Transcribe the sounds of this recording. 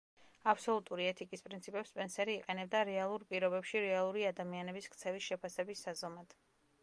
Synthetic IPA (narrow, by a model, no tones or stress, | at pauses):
apʰsɔlˠut̪ʼuɾiɛt̪ʰikʼispʼɾint̪sʰipʼɛpspʼɛnsɛɾiːqʼɛnɛbd̪aɾɛalˠuɾpʼiɾɔbɛpʃiɾɛalˠuɾiad̪amianɛbisk̚ʰt̪sʰɛvisʃɛpʰasɛbisːazɔmad̪̥